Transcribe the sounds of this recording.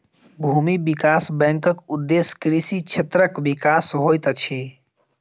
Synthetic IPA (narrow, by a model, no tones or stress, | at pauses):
bʱumibikasbɛ̃ŋkəkud̪ːeskɾisit͡ʃʰet̪ɾəkbikasɦojt̪t͡ʃʰi